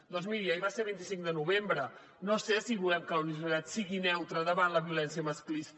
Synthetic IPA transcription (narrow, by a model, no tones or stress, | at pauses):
d̪ɔnzmiɾiəiβaseɾβint̪isiŋd̪ənuβembɾə | nosesiβulɛmkələuniβəɾs̬it̪at̪siɣinɛwt̪ɾəðəβanləβiulɛnsiəməsklis